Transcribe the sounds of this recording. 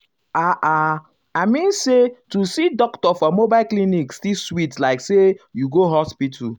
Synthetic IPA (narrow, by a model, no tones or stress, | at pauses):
aʔa | aɪmĩnsetusidɔktɔfɔmobaɪlklinikstiswitlaɪksejuɡoɦɔspitʰu